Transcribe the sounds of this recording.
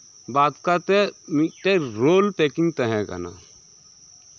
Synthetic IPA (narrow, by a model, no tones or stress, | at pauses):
baːt̪kat̪emiʈeɾoːlpeːkiŋt̪əɦɛ̃ɡa̰na̰